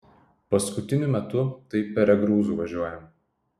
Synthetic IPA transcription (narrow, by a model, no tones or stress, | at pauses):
pɐskʊt̪ʲɪnʲʊmʲɛt̪ʊt̪ɐɪpʲɛɾʲɛɡɾuːzuːʋɐʒʲuɔjɛm